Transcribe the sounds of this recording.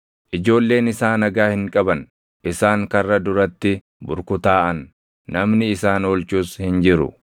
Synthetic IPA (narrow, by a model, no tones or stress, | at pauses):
ʔɪd͡ʒo̞ːlːe̞ːnɪsaːnɐɡaːhɪŋkʼɐbɐn | ʔɪsaːŋkɐrːɐd̪ʊɾɐt̪ːɪ | bʊɾkʊt̪aːʔɐnː | ɐmnɪɪsaːnoːlt͡ʃuːshɪnd͡ʒɪɾʊ̰